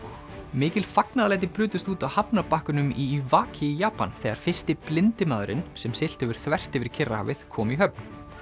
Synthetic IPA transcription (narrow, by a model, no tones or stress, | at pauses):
mɪːcɪlfaknaðalɛjt̪̬ɪpɾʏːt̪ʏst̪uːt̪ahapnapahkʏnʏmivaːcʰɪijaːpa̰nθɛɣaɾ̥fɪ̥st̪ɪplɪnt̪ɪmaːðʏɾɪ̰nsɛmsɪl̥t̪ɛvɪɾ̥θvɛr̥t̪ɛːvɪɾ̥cʰɪrːaha̰vɪðkʰɔːmiɦœpn